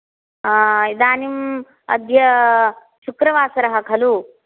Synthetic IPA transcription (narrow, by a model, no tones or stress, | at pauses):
id̪aːnim | ɐ̰d̪jɐ | ʃukɾɐʋaːsɐɾɐɦɐkʰɐlu